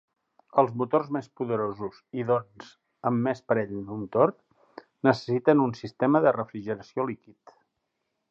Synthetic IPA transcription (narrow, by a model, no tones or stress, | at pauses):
əlˠzmut̪orzmespuðəɾozuziðonz̥ | əmːespəɾɛʎd̪unt̪or | nəsə̥sit̪ənunsist̪ɛməðərəfɾiʒəɾəsiolikit̪